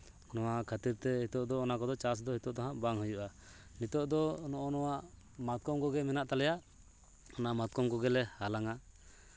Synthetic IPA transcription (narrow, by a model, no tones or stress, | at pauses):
nɔwakʰat̪iɾt̪ɛɦit̪ɔʔd̪ɔːnakɔd̪ɔt͡ʃas̬d̪ɔɦit̪ɔʔt̪aɦãʔbaŋɦujuʔa | nit̪ɔʔd̪ɔnɔʔɔnɔwaʔ | mat̪̚kɔmkɔɡɛmɛnaʔt̪alɛjaʔ | ɔnaʔmat̪̚kɔmkɔɡɛlɛhalaŋa